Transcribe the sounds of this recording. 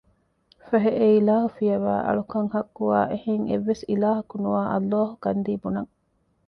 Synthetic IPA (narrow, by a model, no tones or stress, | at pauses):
fɐɦeʔeilaːɦufijɐʋæ̰ːʔɐ̰ɭukɐŋhɐkːuaːʔehiŋḛʋːesilaːɦɐkunuʋaːʔɐ̰lːaːɦukɐnd̪iːbunɐŋ